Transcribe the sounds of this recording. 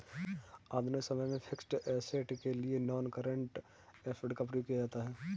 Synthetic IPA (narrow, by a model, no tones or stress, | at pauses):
aːd̪misɐməjmẽpʰɪksʈɛːseʈkelienɔːnkəɾə̃ɳʈ | ɛfʰəɖkapɾijukijad͡ʒaːt̪aɦɛː